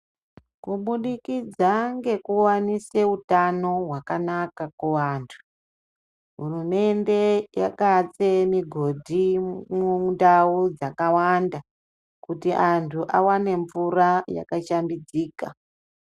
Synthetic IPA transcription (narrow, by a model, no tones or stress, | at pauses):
kuɓuɗikid͡zaŋɡe̞kuwanise̞utano̞ɦwakanakakuʋantʰu̥ | ɦurume̞nde̞jakat͡semiɡʱo̞dʱimundaud͡zakawanda | kutiʔantʰuʔa̰wane̞ɱvuraja̰kaʃambid͡ziːka